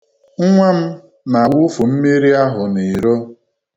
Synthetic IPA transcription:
ŋ̩˦ŋʷa˦m̩˦ | na˨wʊ˦fu˨m̩˦mi˦ɾi˦a˦ɦʊ˨ni˨ɾo˦

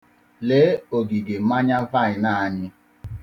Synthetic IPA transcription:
leː˨˦o˨ɡi˨ɡe˨˦ma˦ɲa˦va˦˨ɪ˨na˦˨a˨ɲɪ˦

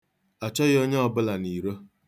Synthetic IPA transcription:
a˨t͡ʃɔ˦ɣo˦ɲe˦ɔ˦bʊ˦la˨ni˨ɾo˦

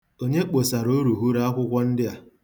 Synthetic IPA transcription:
o˦ɲe˦k͡po˨sa˨ɾo˦ɾu˨ɦu˦ɾa˦a˦kʷʊ˦kʷɔ˦n̩˦dɪ˦a˨

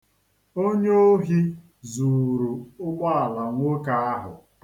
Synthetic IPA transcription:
o˦ɲe˦o˦ɦi˦ | zu˨ɾu˨ʊ˦ɡ͡ba˦a˨la˨ŋ̩ʷ˦o˦ka˦a˦ɦʊ̰˨

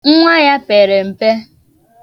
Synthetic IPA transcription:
ŋ̩˦ŋʷa˦ja˦pe˨ɾe˨m̩˨pe˦

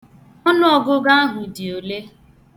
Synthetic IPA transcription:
ɔ˦nʊ˦ɔ˨ɡʊ˦ɡa˦a˦ɦʊ˨di˨o˨le˦

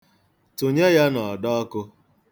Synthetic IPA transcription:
tu˨ɲe˦ja˦nɔ˨dɔ˦ɔ˦kʊ˦˧

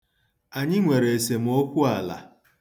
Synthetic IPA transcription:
a˨ɲɪ˦ŋʷe˨ɾe˨e˨se˨m̩˦o˦kʷu˦a˨la̰˨

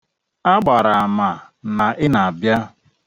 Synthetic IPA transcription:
a˦ɡ͡ba˨ɾa˨a˨ma˨na˨ʔɪ˦na˨a˨bja˦

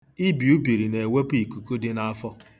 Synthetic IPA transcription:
i˦bi˨u˦bi˨ɾi˨ne˨we˦pi˨ku˨ku˦dɪ˦na˦a˦fɔ˦

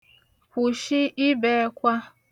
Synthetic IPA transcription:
kʷu˨ʃi˦ʔi˦be˨˦kʷa˦

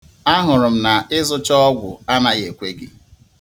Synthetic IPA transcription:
a˦ɦʊ˨ɾʊ˨m̩˨na˨ɪ˦zʊ˦t͡ʃɔ˦ɔ˦ɡʷʊ̰˨a˦na˨ɣe˨kʷe˦ɡɪ˦

